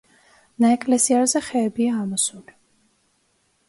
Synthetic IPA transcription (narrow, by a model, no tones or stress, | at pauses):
naɛkʼlɛsiaɾzɛχɛːbiaːmɔsuli